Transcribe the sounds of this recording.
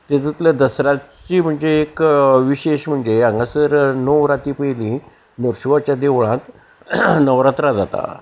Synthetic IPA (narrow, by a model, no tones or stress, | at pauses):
t̪et̪it̪ləd̪əsɾat͡ɕiːm̤əɳd͡zeːkʋiɕeɕm̤əɳd͡zeaŋɡasəɾnoʋɾat̪iːpəjlĩ | noɾɕuʋat͡ɕjad̪eʋɭãt̪ | nəʋɾat̪ɾad͡zat̪a̰